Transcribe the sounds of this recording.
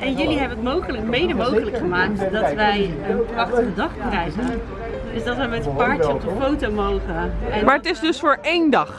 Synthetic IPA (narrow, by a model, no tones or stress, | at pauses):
ʔɛnjɵliɦɛbənətmowχələkmejdəmowχələkχəmaːk̚tdɔtʋɛj | əɑχtərdədɑχkrɛjχən | dəsdɑtʋəjmɛtəpaːɹt͡ʃəɔp̚dəfowtowmowχəɛnmaːɹətɪsdɵsfʊːɹejndɑχ